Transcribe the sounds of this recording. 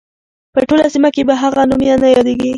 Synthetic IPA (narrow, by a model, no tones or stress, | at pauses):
pəʈolasimakebaɦaɣanumjanajɑd̪eɡi